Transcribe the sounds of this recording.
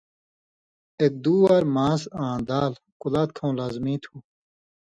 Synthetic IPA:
ek̚d̪uːwɐɾmãːsãːnd̪aːl | kulaːt̪kʰãw̃laːzmĩːt̪ʰu

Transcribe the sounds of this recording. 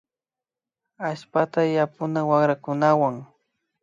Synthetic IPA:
aʃpat̪ajapʊnawaχɾakʊnawaŋ

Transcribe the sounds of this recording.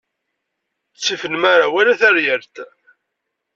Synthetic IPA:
t͡sːifənmaɾawalæθæɾjəɾt̪

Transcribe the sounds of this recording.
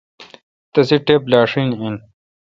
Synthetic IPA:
t̪ɐsiʈeplaːʂinin

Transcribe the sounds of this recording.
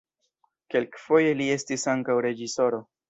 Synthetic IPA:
ke̞lkfo̞je̞lie̞stisaŋkawɾe̞d͡ʒiso̞ɾo̞

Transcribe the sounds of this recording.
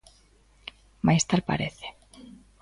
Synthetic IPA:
majst̪alpa̰ɾeθe̥

